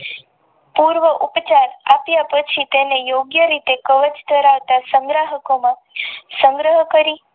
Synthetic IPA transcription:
puɾʋəʔupt͡ʃaɾapjapət͡ʃʰit̪enejoɡjəɾit̪ekəʋət͡ʃt̪əɾaʋt̪asəŋɡɾaɦəkomã | sə̃ŋɡɾəɦəkəɾi

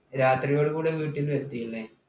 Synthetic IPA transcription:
ɾaːt̪rijoːɭɣuːɽeʋiːʈːilʋet̪ːijilːe

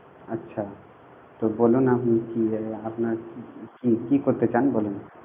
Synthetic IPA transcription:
ətːʃʰa | t̪obolunamnikiapnaɾkikikoɾt̪et͡ʃanbolun

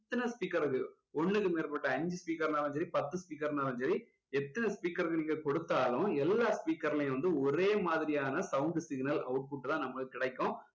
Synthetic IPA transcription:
t̪ːɐnɐspiːkɐɾɯkːɯ | ɔɳːɯkːɯmeːɾpɐʈːɐɐɲd͡ʒɯspiːkɐɾnaːɾɐ̃d͡ʒɐɾipɐt̪ːɯspiːkɐɾnaːɾɐ̃ɲd͡ʒɐɾi | ɛt̪ːɐnɐspiːkːɐɾɯkːɯniːŋɡɐkɔɽɯt̪ːaːlʊ̃ɛlːaːspiːkːɐɾlɐjʊ̃ʋɐnd̪ɯɔɾeːmaːðɪɾɪjaːnɐsɐʊɳɖsɪɡnɐlɐ̰ʊʈ̚puːʈːɯt̪ãːnɐmːɐkːɯkːɪɽɐɪkːʊ̃

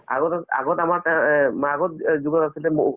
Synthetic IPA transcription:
a̰ɡɔta̰ɡɔtamaɹtɛmaɡɔt̚d͡ʒuɡɔtasilɛmoʔ

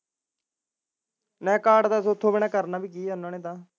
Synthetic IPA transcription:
nɛ̃ːkaːɖd̪aːsot̪ʰːõːbɪɳaːkəɾnaːbʱiːkiːɦənːãːneːt̪ãː

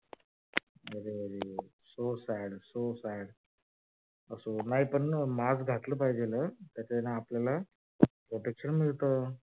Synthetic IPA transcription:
əɾeəɾe | sosæɽsosaɽ | əsonaɦipəɳmad͡zɡʱat̪ləːpaɦid͡ʑelət̪jat͡ɕanaːpljala | pɾoʈekʂənmiɭt̪ə

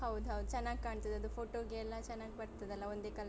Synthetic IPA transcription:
hɐwd̪uɦɐwud̪ut͡ʃɛnːaːɡikaːɳt̪id̪ɐd̪upʰoːʈoːɡeɛlːɐt͡ʃɛnːaːɡibɐɾt̪id̪ɐlːɐond̪ekɐl

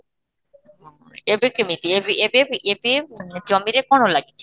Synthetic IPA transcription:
ebekemit̪iebiebeebed͡ʑɔmiɾekɔnolaɡiːe

